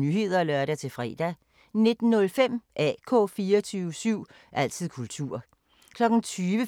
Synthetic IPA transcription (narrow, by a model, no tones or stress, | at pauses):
nyɦe̝ð̞̰ˠɐlɶɐɾæt͡sʰe̝lfʁɛ̰ːd̥æ | ne̝d̥n̩ːɔ̽lfem̰ʔɛ̰ːkʰɔ̰̽ːfiːɐt͡sʰyːʊəsyʊ̰ | ʔæl̰t͡sʰið̰ˠkʰult͡sʰuɐ̰ | kʰlɒ̽ɡ̥n̩t͡sʰyːʋə